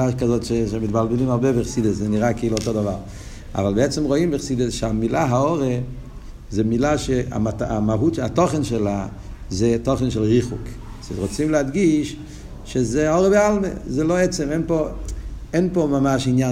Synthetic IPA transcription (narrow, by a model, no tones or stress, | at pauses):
aʃkazotʃeʃemitbalˠbɪlimaʁbebɪχsidəszɛniʁakiilotodavaʁ | a̰valˠbeɛt͡sɛmʁoimbɪχsidəsʃamilaɦaɔʁe | zɛmilaʃea̰maamaɦutʃatɔχənʃɛla | zɛtɔχənʃɛlˠʁiχuksetʁot͡simleadɡiʃ | ʃezɛɔʁəbealˠmḛzɛloɛt͡sɛmɛnpo | ɛnpomamaʃinja